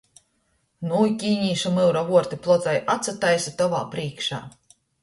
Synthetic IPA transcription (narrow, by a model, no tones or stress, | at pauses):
nujkʲiːɲiːʃamɨwɾavuɔɾt̪iplˠɔt̪zajʔat̪sat̪ajsat̪ɔva̰ːpɾiːkʃa̰ː